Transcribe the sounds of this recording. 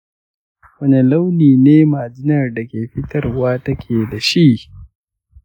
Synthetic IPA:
wɐ˦ne˨la˦wniː˨neː˦maː˨d͡ʒɪ˦nɐ˨rda˨kʲeː˨ɸɪ˦tɐ˦rwaː˦tɐ˦kʲʰeː˨da˨ʃi˦ʔ

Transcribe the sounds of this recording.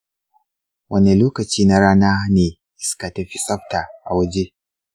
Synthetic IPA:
wʔɐ˦ne˨loː˦kɐ˨t͡ʃiː˦na˦ɽaː˦naː˦neː˨ | ʔɪ˦ska˨tɐ˦ɸi˦sʼɐ˦ɸta˨ʔa˨wɐ˦d͡ʒe˦

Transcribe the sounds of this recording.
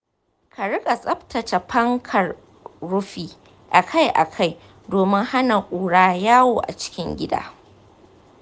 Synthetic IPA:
kʰa˨ɽɪ˦kʼa˨sʼɐ˦ɸtɐ˨t͡ʃa˨pɐ˦ŋkʰɐ˨rː | ʊ˦ɸiː˦ | ʔa˨kʰa˦jʔa̰˨kʰa˦˨j | doː˨mɪ˦ŋha˦na˨kʷʼuː˨ɽaː˦jaː˦woː˨ʔa̰˨t͡ʃɪ̥˦kʲɪ˦ŋɡʲɪ˦da̰ː˦

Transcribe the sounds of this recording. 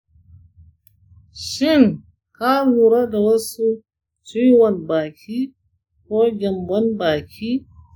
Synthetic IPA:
ʃɪ˦˨ŋ | ka˦luː˨ɾa˦da˨wɐ˦su˦ | t͡ʃu˦jwɐ˨nbaː˨kʲʰiː˦ | koː˦ɡʲɛ˨mbɔ˦nbaː˨kʲʰiː˦

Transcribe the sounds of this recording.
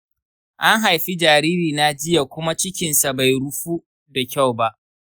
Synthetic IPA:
ʔa˦ŋɦa˨jɸi˦d͡ʒaː˨ɾiː˦ɾiː˨na˦d͡ʒɪ˦ja˨kʷʊ˦ma˦t͡ʃɪ˦kʲɪ˨nsa˨ba˨jɽʊ˦ɸu˦ | da˨kʲa˦˨wba˦ʔ

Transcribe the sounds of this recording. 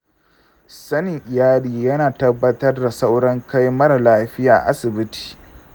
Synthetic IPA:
sɐ˦nɪ˨ŋʔɪ˨jaː˦liː˨jɐ˦naː˨tɐ˦bːɐ˦tɐ˦rda˨sa˦wɽɐ˦ŋka˦jmɐ˦ɾa˨laː˦ɸɪ˦jaː˨ʔʔa˦sɪ˨bɪ˦ti̥ː˨

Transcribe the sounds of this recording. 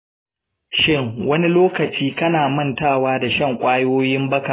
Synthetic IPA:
ʃɪ˦˨ŋwɐ˦ni˦loː˦kɐ˨t͡ʃiː˦kɐ˦naː˨mɐ˦˨ntaː˦˨waː˦da˨ʃɐ˦˨ŋkʷʼaː˦joː˦jɪ˦mbɐ˦kaː˨

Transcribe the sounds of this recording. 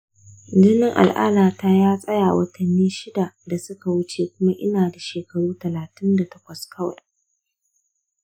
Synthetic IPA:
dɪ˦nɪ˦ŋʔa̰˨lʔa̰ː˦laː˨taː˦jaː˦sʼɐ˦jaː˨wɐ˦tʰɐ˨nːiː˦ʃɪ˦da˨da˨sʊ˦ka˨wʊ˦t͡ʃeː˨kʷʊ˦ma˦ʔɪ˦naː˨da˨ʃeː˨kɐ˨ɽuː˦tɐ˨laː˨tɪ˦nda˨tɐ˦kʷɐ˨skʰɐ˦wɐ̰˨

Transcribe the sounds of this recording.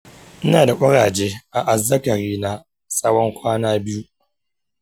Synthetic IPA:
ʔɪ˦naː˨da˨kʷʼɐ˦ɽaː˨d͡ʒeː˦ʔa˨ʔa˨zːɐ˦kɐ˨ɾiː˦na˦ | sʼɐ˦wɔ˦ŋkʷaː˦naː˦bɪ˦ju˦

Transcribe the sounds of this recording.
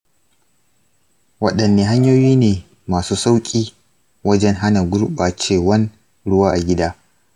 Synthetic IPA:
wɐ˦ɗɐ˨nːeː˨ɦa˦ɲjoː˦jiː˦neː˨ | maː˨suː˦sa˦wkʲʼiː˦ | wɐ˦d͡ʒɛ˦ŋɦa˦na˨ɡʷʊ˦ɽɓaː˨t͡ʃeː˦˨wɐ˦n | ɽʊ˦waː˦ʔa˨ɡʲɪ˦daː˦

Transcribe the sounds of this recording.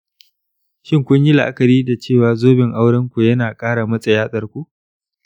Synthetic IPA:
ʃɪ˦ŋkʷʊ˦ɲji˦la˨ʔa˦kɐ˨ɾiː˦da˨t͡ʃeː˦˨waː˨zoː˦bɪ˨ŋʔa˦wɽɐ˦ŋkʷu˨jɐ˦naː˨kʼaː˦ɽa˨mɐ˦sʼɐ˨jaː˦ɗɐ˨rkʷu˦ʔ

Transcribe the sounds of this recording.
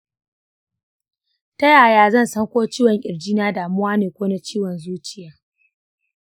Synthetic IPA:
tɐ˦jaː˨jaː˦zɐ˦˨nsɐ˦ŋkʷoː˦t͡ʃiː˦wɔ˨ŋʔʲɪ˨rd͡ʒiː˦naː˦daː˨mʊ˦waː˦neː˨kʷoː˦na˦t͡ʃiː˦wɔ˨nzuː˦t͡ʃɪ˦˨jaː˦

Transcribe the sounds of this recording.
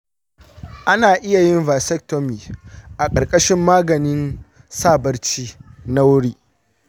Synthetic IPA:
ʔa˦naː˨ʔɪ˦ja˨jɪ˦nvaː˨sɛ˦k̚to˦miː˨ʔa˨kʼɐ˨rkʼɐ˦ʃɪ˦mːaː˦ɡɐ˨nɪ˦n | saː˦˨bɐ˦rt͡ʃiː˦na˦wʊ˦ɽiː˦

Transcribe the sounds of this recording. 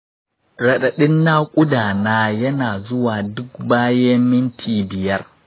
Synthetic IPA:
ɾɐ˨ɗɐ˨ɗɪ˦nːaː˦kʷʼʊ˦daː˨naː˦jɐ˦naː˨zʊ˦waː˨dʊ˦kbaː˦je˦mɪ˦ntʰiː˨bɪ˨jɐ˦r

